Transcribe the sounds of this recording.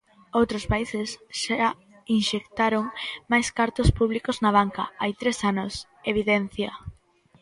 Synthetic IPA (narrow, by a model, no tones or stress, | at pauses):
owt̪ɾospaisɪsʃa | inʃekt̪aɾoŋmajskaɾt̪ospuβlikoznaβ̞aŋkɐ̰ajt̪ɾesanʊs | eβiðɛn̟θjɐ